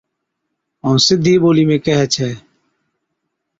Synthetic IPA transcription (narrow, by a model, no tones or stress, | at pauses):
əũsɪd̪ʱːiːboːliːmẽːkɛɦɛt͡ʃʰɛː